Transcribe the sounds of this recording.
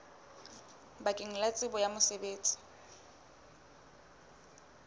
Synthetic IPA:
bakʼɪŋ̩lat͡sʼɪbɔjamʊsebeːt͡sʼɪ̥

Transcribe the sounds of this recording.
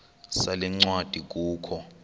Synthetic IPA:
salɛŋ͡ǀwad̥ʱik̬uːkʰɔ

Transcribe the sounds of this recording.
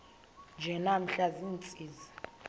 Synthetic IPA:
nd͡ʒʱɛnam̩ɬazint͡sʼiːzi

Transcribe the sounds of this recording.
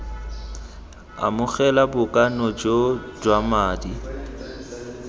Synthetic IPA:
a̰mʊɣɛlabʊkʼanɔd͡ʒod͡ʒwamaːdi

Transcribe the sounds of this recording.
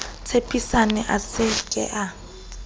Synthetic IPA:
t͡sʰepʰʼisanɛʔasɪkʼɛ̰ʔa

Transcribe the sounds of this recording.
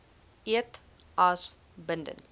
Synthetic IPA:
iət | ɐs | bəndə̰n

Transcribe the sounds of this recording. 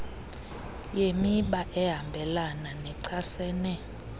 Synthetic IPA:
jemiɓaʔɛɦambʱɛlananɛǀʰasɛːnɛ

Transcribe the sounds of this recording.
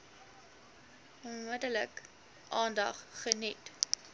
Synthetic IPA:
ɔnmədələ̰k | ʔɑːndɐ̰χχənit

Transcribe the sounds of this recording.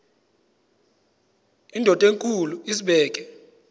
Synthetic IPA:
indʱɔtʼeŋkʼuluisiɓɛːk̬ʼɛ

